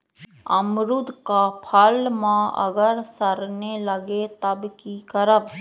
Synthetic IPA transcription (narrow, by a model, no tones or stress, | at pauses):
əmɾʊd̪ʱkapʰəlmãə̰ɡəɾsəɾneləɡet̪əbkikəɾəb